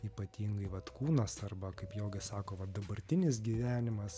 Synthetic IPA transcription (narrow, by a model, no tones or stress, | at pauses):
iːpɐt̪ʲiːŋɡɐɪʋɐt̪kuːnɐsɐrbɐkɐɪpjoːɡʲɪsɑːkoːʋɐd̪ɐbɐɾʲt̪ʲɪnʲɪs̬ɡʲiʋʲæːnʲɪmɐs